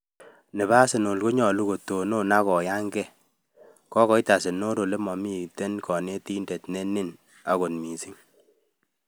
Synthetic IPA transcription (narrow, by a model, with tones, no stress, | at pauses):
nɪ˨βa˦se˨no˨lko˦ɲɔ˨lu˦ko˨to˨no˦na˦kɔ˨ja˦ŋɡɛ˦ | kɔ˦ɣɔ˨i˦ta˨se˨no˦ɾo˨le˦mɔ˨mi˦˨te˦nkʰɔ˨ne˦ti˦nde˨tne˦nɪ˦n | a˨ɣo˨nmi˨si˦ŋ